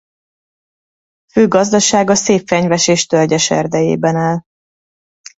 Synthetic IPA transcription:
føːɡɒzd̪ɒʃaːɡɒseːpfɛɲvɛʃeːʃt̪ølɟɛʃɛ̰rd̪ɛjḛːbɛnaːl

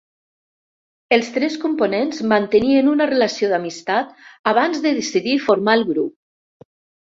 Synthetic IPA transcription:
əlˠst̪ɾɛskumponenzmant̪əniənunərəlasioðamist̪at̪̚aβ̞anzðəðesiðifoɾmaelˠɣɾup̚

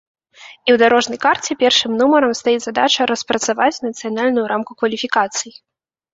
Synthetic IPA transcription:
iwd̪aɾɔʐnɐjkart͡sʲɛpʲɛrʂɨmnumɐɾɐmst̪ajid͡zʲzad̪at͡ʂɐɾɐspɾɐt̪savat͡sʲnɐt̪sɨjanalʲnʊjuɾʔamkukvɐlʲifʲikat̪sɨji

